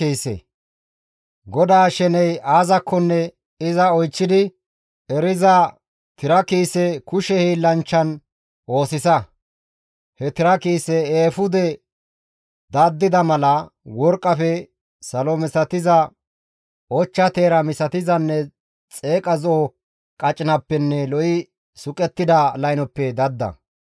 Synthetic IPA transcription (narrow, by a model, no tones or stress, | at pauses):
iːsḛ | ɡɔd̪aːʃɛnɛjʔaːzɐkʰːɔnːɛ | ɪzɐɔjt͡ʃːɪd̪ɪ | ɛɾɪzɐ | t̪ɪɾɐkiːsɛkʊʃɛhilɐnt͡ʃːɐn | ʔo̞ːsɪsɐ | hɛt̪ɪɾɐkiːsɛeːfʊd̪ɛ | d̪ɐd̪ːɪd̪ɐmɐlɐwɔɾkʼːɐfɛ | sɐlɔmɪsɐt̪ɪzɐ | ʔɔt͡ʃːɐt̪e̞ːɾɐmɪsɐt̪ɪzɐnːɛ | t͡sʼe̞ːkʼɐzo | kʼɐt͡ʃʼɪnɐpːɛnːɛlɔʔɪ | sʊkʼɛt̪ːɪd̪ɐlɐjnɔpːɛd̪ɐd̪ːɐ̰